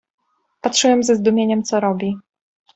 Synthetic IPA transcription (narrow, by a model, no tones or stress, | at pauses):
patʂɨwɛmzɛzd̪umʲjeɲɛmt̪sɔɾɔbʲi